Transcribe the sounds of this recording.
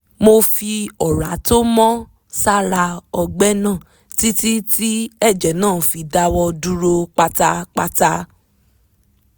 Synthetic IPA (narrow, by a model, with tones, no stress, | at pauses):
mo˧fi˧ɔ˨ɾa˨˦to˦mɔ̃˦ | sa˦ɾa˧ɔ˧ɡ͡bɛ˦nãː˦˨ | ti˦ti˦ti˦ɛ˦˨d͡ʒɛ˨nãː˦˨fi˧da˧wɔ˧du˦ɾo˧k͡pa˧ta˧k͡pa˧ta˧